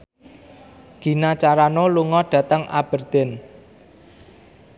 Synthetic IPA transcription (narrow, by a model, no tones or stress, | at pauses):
ɡ̥i̤nat͡ʃaɾanoluŋɔɖ̥ä̤t̪əŋa̰b̥ə̤rd̪̥en